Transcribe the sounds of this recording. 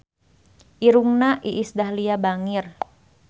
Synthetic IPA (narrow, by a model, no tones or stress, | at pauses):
ʔiɾuŋnaʔiʔːsdaɦliabaŋir